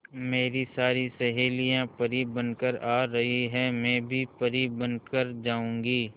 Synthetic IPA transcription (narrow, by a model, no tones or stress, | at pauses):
meːɾisaːɾisɛɦeːlijãpɐɾibɐ̃nkəɾaːɾɐɦiɦɛmɛ̃ːbʱipɐɾibɐnkəɾd͡ʒaːũːŋɡiː